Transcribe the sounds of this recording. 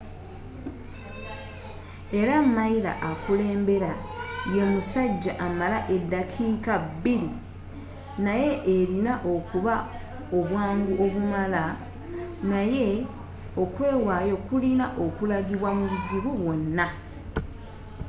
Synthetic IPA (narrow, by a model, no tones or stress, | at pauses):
e̞ɾamːaiɾa̰ʔakule̞ːmbe̞ɾaje̞musaɟːaʔamalaʔe̞dːakʰiːkabːili | naje̞ʔːɾinaʔo̞kuβa | o̞βwaːŋɡuʔo̞βumala | naje̞ | o̞kwe̞ːwaːjo̞kulinaʔo̞kulaɡiβwamuβuziβuβwo̞nːa